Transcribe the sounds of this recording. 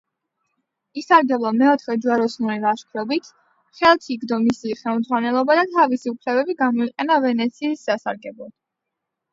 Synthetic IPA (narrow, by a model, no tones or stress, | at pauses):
isaɾɡɛblˠamɛɔt̪ʰχɛd͡ʒuaɾɔsnuɾilˠaʃkʰɾɔbit̪ʰ | χɛlˠt̪ʰiɡd̪ɔmisiːχɛlˠmd̪zʁwanɛlˠɔbad̪at̪ʰavisiupʰlɛbɛbiɡamɔiqʼɛnavɛnɛt̪sʰiːszasa̰ɾɡɛblˠɔd̪̥